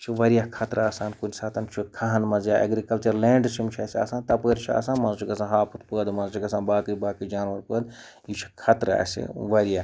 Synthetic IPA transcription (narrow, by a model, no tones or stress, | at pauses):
t͡ʃʰiʋɐɾijakʰɐt̪ɾaːsaːnkunsaːt̪ɐnt͡ʃʰikʰaɦɐnmɐzjaːʔɐ̰ɡɾikɐlt͡ʃɐɾleːɳɖt͡ʃʰimt͡ʃʰɐsa̰ːsaːnt̪ɐpəːɾʲt͡ʃʰa̰ːsaːnmɐnt͡ʃʰiɡɐsãːnɦaːpʰɨt̪pəːd̪mɐnt͡ʃʰiɡɐs̬ãːnbaːkɨbaːkɨd͡ʒaːnʋɐɾpəːd̪ | jit͡ʃʰi̥kʰɐt̪ɾa̰ːsḭʋɐɾija